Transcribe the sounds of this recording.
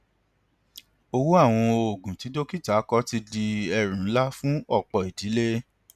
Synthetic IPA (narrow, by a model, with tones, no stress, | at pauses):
o˧wu˦a˦˨w̃ɔ̃˧o˨ɡũ˨ti˨˦do˦ki˦˨ta˨˦kɔ˦ti˧di˧ɛ˧ɾũ˨˦la˦fũ˦ɔ˦˨k͡pɔ˨i˨di˨˦le˦